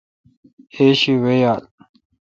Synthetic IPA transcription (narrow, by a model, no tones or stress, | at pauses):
eːɕiwejaːl